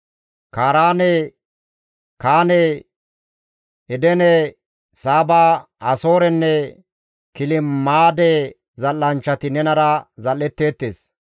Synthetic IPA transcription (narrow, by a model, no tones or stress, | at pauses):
kaːɾaːne | kaːne | ɛd̪ɛnɛ | saːbaː | ɐso̞ːɾɛnːɛ | kɪlɪmaːd̪ɛ | zɐlːɐnt͡ʃːɐt̪ɪnɛnɐɾɐzɐlːɛt̪ːeːt̪ːeːs